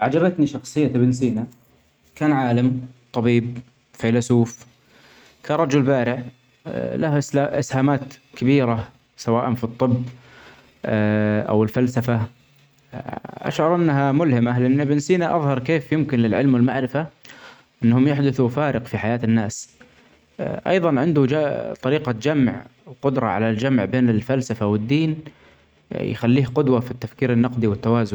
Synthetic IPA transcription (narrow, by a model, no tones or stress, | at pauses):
ʕad͡ʒɑbɪt̪niʃɑxsˤɨjːabɪnsiːna | kaːnʕaːlamt̪ˤɑbiːb | fajlasuːf | kʰaːnˤɑd͡ʒʊlbaːɾɪʕ | lahʔaʔɪ̰shaːmaːt̪kabiːɾa | sawaːʔanfit̪ˤːɨbː | ʔa̰wɪlfalsafa | ʔa̰ʃʕɑɾˤʔɪnːɦamʊlhɪmalɪʔanːɪbɪnsiːnaʔɑðˤhɑɾˤkeːfjɪmkɪnlɪlʕɪlmwɪlmaʕɾɪfa | ʔɪnːhʊmjaħd̪ʊθufaːɾɪqfiħajaːt̪ɪnːaːs | ʔɑ̰jðˤɑnʕɪnd̪ud͡ʒat̪ˤɑɾiːqad͡ʒamʕwqʊd̪ɾˤɑ̰ʕa̰lald͡ʒamʕbeːnɪlfalsafawɪd̪ːiːn | jxalːiːhqʊd̪wafit̪ːafkiːɾɪnːɑqd̪iwɪt̪ːawaːzʊn